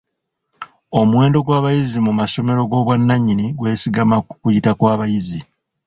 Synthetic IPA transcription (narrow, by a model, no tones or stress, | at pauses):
o̞mwe̞ːndo̞ɡwaːβajizimumaso̞me̞ɾo̞ɡo̞ːβwanːaɲːiniɡwe̞ːsiɡamakukujitakwaːβajizi